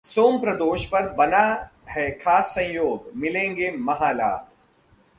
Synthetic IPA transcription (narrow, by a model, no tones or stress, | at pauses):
soːmpɾɐd̪oːʃpɐɾbɐnahɛːkʰaːsːɐ̃jjoːɡmɪlẽːŋɡeːmɐɦaːla̰ː